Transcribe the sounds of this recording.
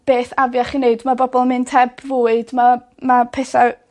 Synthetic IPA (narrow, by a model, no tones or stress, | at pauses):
b̥eːθavjaχineɨdmabɔbɔlˠmɨntʰɛbvuːɨdma | mapʰɛθa